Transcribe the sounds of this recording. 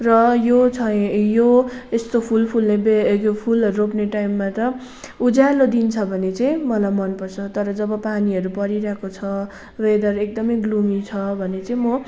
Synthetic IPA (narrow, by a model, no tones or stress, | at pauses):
rʌjot͡sʰʌjoest̪opʰulpʰulnebekopʰulʌropneʈajmːat̪ʌ | ud͡zalod̪int͡sʰʌbʱʌnet͡saj̃mʌlajmʌnpʌrt͡sʰʌt̪ʌɾʌd͡zʌbʌpaniʌɾupʌɾiɾʌɦekot͡sʰʌ | rejd̪ʌɾek̚d̪ʌmʌjɡlumit͡sʰʌbʱʌnet͡saĩmʌ